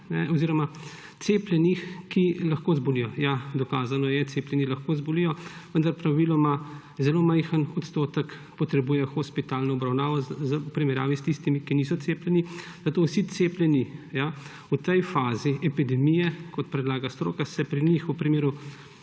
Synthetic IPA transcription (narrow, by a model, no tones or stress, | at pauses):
nɛɔziɾɔma | t̪seplʲjɛnixkilɐxkoːzbɔlijɔjad̪ɔkaːzanɔjɛt̪seːplʲjɛnilaxkozbɔlijɔʋənd̪aɾpɾaʋilɔma | zɛloːmajxənɔt̪st̪oːt̪ək | pɔt̪ɾɛbuːjɛxɔspit̪aːlnɔɔbɾawnaːʋɔzəupɾimɛɾja̰ːʋist̪ist̪imikinisɔt̪seːplʲɛni | zat̪owsit̪seːplʲjɛnija | ut̪ɛjfaːziɛpid̪ɛmijɛkɔt̪pɾɛd̪laːɡast̪ɾo̰kasɛpɾinixupɾimeːɾu